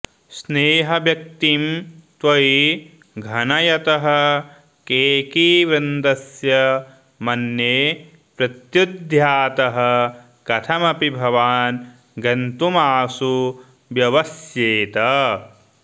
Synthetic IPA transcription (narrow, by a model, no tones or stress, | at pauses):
sneːɦɐʋjɐk̚t̪imt̪ʋɐi | ɡʱɐnɐjɐt̪ɐɦɐ | keːkiːʋɾɐnd̪ɐsjɐ | mɐnjeː | pɾɐt̪jud̪ʱjaːt̪ɐɦɐ | kɐt̪ʰɐmɐpibʱɐʋaːn | ɡɐnt̪umaːsu | ʋjɐʋɐsjeːt̪ɐ